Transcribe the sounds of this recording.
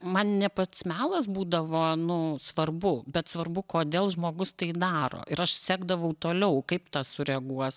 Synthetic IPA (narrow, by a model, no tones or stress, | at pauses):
mɐnnʲɛpɐt̪smʲæːlˠɐs̬buːd̪ɐʋoːnʊsʋɐrbʊbʲɛt̪sʋɐrbʊkoːd̪ʲeːlˠʒmoːɡʊst̪ɐɪd̪ɑːɾo̰ːʔɪɾɐʃsʲæːɡd̪ɐʋɐʊt̪oːlʲɛʊkɐɪpt̪ɑːsʊɾʲɛɐɡuɔs